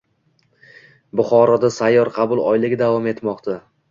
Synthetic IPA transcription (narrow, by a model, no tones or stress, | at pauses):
bʊχɒɾɒd̪asajːɒɾqʰɑbʊlˠɒjlɪɡʲd̪avɒme̞t̪mɒqt̪ʰa